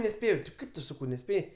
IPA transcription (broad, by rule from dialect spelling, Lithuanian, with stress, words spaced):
nʲɛˈsʲpʲeːjɛʊ tʲɪ ˈkɐɪp tʊ ˈsɑːkɐʊ nʲɛˈsʲpʲeːjɛɪ